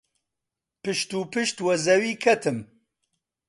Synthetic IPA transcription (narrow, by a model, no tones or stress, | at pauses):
pɨʃt̪uːpɨʃt̪wɐzɐwiːkʰɐt̪ʰɨm